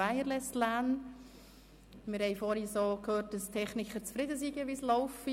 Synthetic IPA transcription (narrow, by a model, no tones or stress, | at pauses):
æjəɾlɛstlæːn | mɪɾhɛɪfɔɾhisoːkʰhøːt̚dəstʰɛχnɪkχət͡sfɾɪdəsiːɡəʋislɔʊfi